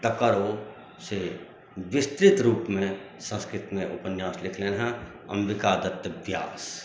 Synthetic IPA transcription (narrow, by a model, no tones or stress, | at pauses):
t̪ɐkəɾo | se | ʋɪst̪ɾɪt̪ɾuːpmẽ | sə̃nskɾɪt̪mẽʔʊ̰pənjaːslɪkʰlẽnɦã | ɐ̰̃mʋɪkaːd̪ət̪ːəbja̰ːs